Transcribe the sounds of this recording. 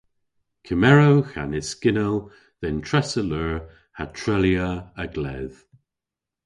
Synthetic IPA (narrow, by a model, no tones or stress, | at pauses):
kʰəmɛɹowxanɪskɪnəlˠ | ðɛntʰɹɛsələɹ | hatʰɹɛljəəɡlɛð̥